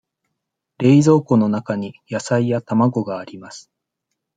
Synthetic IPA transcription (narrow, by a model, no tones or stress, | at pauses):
ɾe̞izo̞ːko̞no̞nakaɲ̟ijasaijat̪amaɡo̞ɡaːɾʲimasɨ̥